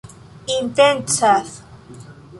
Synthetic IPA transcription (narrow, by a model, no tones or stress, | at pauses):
int̪ent͡saθ